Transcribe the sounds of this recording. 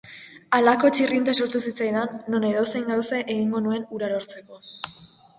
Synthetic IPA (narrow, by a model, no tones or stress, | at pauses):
alako̞t͡ʃirint̪aso̞ɾt̪usit͡sajðanːo̞ne̞ðo̞sejŋɡawseʔeɣ̞iŋɡo̞nue̞nuɾaɾo̞ɾt͡se̞ko̞